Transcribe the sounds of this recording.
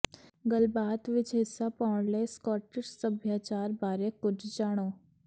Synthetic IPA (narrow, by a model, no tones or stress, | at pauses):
ɡəlbaːt̪ʋɪt͡ʃɦɪsːapɔːɳleːskɔːʈɪʃsəbʱjaːt͡ʃaːɾbaːɾekʊt͡ʃʰd͡ʒaːɽ̃oː